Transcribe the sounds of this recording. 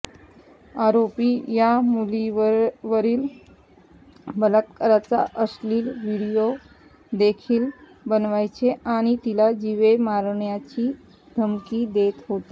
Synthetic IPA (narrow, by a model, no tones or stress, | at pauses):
aɾopijamuliʋʋəɾiːl | bələt̪kəɾat͡sa̰ʔəsliːlʋiɽijo | d̪ekʰiːl | bənʋajt͡ɕeʔaɽ̃it̪ilad͡ʑiʋemaɾɳjat͡ɕiː | d̪ʱəmkiːd̪et̪ɦot̪e